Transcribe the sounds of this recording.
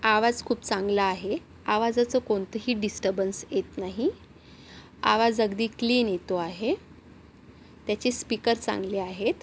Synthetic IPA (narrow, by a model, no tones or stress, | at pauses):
aʋad͡zkʰuːpt͡sãŋɡlaːɦe | aʋad͡zat͡səːkoɳt̪əɦiːɖisʈəɾbənsjet̪naɦi | a̰ʋad͡zəɡd̪iːkliːnjet̪oaɦe | t̪jat͡ɕispikəɾt͡sã̰ŋɡleːaɦet̪